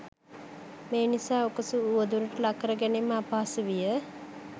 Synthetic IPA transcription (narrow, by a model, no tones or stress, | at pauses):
meːnisaːokəsuːʋəd̪uɾəʈəlakːəɾəɡænemːəapaːsəʋijə